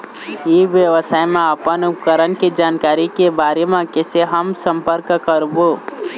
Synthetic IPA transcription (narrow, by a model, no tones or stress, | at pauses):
iʋjəʋəsaːjmẽəpənʊpkəɾənked͡ʒaːnkaːɾikebaɾemẽkeseɦəmsəmpəɾkkəɾbo